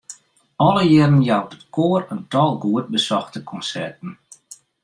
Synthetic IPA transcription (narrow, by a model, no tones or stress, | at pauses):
ɔlˠəjɪɾənjawtətkʰoːərəntɔlˠɡuət̚bəsɔxtəkʰɔnsɛrtən̩